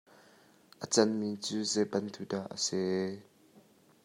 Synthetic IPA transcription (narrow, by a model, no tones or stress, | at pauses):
ʔət͡sɐnmit͡suːzɛbɐnt̪udaʔə̰sɛ